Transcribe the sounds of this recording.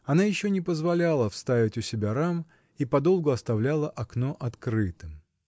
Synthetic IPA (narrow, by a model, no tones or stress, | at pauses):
ɐnajɪɕːonʲɪpəzvɐlʲalˠəfst̪avʲɪtʲʊsʲɪbʲaɾam | ipɐd̪o̞lˠɡʊɐst̪ɐvlʲalˠəʔɐkno̞ʔɐt̪kɾɨt̪ɨm